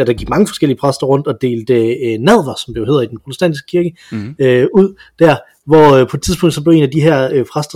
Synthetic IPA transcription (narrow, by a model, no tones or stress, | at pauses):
ɾ̥ɑ̈ɡ̥iɡ̥mɑ̈ŋəfɒ̽sɡel̰iəpʰʁasd̥ɐʁɔ̽n̰d̥ɒ̽d̥e̝̰ːld̥ənæð̰ˠʋɐsɒ̽mb̥le̝ʊe̝ð̰ˠid̥enpʰʁo̝t͡sʰesd̥æ̰n̰disɡ̥ə̥kʰiɐɡ̥ə | øuð̰ˠd̥æɐ̰ | ʋɒpʰɒ̥̽t͡sʰiðˠb̥ɔ̽ŋ̰d̥sɒble̝ʊe̝ːnæd̥iɦæɐ̰øpʰʁasd̥ɐ